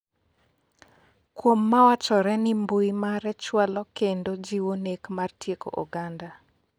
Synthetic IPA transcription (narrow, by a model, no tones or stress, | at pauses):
kwomːawat͡ʃɔɾɛnɪmbujmaɾɛt͡ʃwalɔkendod͡ʒiwonekmartjeko̰ʔo̰ɡanda